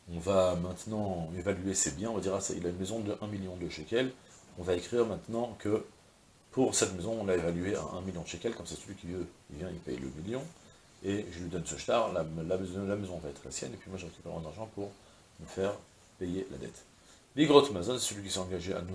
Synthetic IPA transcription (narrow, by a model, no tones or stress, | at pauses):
ɔ̃vamɛ̃t̪nɑ̃evalyesebjɛ̃ɔ̃vad̪iʁasa̰ḭlaynmezɔ̃d̪əʔɛ̃miljɔ̃d̪əʃekʲɛlɔ̃vaekχiʁmɛ̃t̪nɑ̃kʰə | pʰuʁsɛt̪mezɔ̃ːnaevalyeɛ̰̃ʔɛ̰̃miljɔ̃d̪ʃekʲɛlkɔ̃msɛsəlɥikʲivøivjɛ̃ḭlpɛjlə̰miljɔ̃ | eʒəlɥid̪ɔnsəʃt̪aʁlalamzlamezɔ̃vaɛt̪χa̰sjɛ̰nepɥimwaʒəʁekʲy̥pɛʁmɑ̃d̪aʁʒɑ̃puʁ | məfɛʁ | pejela̰d̪ɛ̰t̪ | liɡʁot̪mazɔnsɛ̥səlɥikʲi̥səɑ̃ɡaʒea̰nu